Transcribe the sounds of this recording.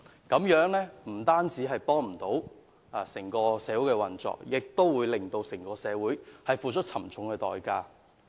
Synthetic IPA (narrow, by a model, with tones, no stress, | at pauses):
kɐ˨˥mjœː˨˥ŋlɛː˥m̩˨˩t̪aː˥nt͡siː˨˥ɦɐ˨jpɔː˥ŋm̩˨˩t̪o˨˥w | a˧˩sɪ˨˩ŋkɔː˧sɛː˨˧˥wu˨˥wkɛː˧wɐ˨nt͡sɔ̰ː˨k̚jɪ˨k̚t̪o˥wwuː˨˧jlɪ˨ŋt̪o˧wsɪ˨˩ŋkɔː˧sɛː˨˧wuː˨˥jhɐ˨jfuː˨˧t͡ʃʰɵ˥t̚t͡sʰɐ˨˩mt͡sʰʊ˨˥ŋkɛː˧t̪ɔ̰ː˨jkaː˧